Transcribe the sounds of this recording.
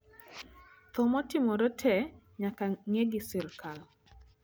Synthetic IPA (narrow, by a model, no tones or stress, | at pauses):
t̪ɔmɔtɪmɔɾɔtʰɛ | ɲakaŋeɡɪsɪlkʰal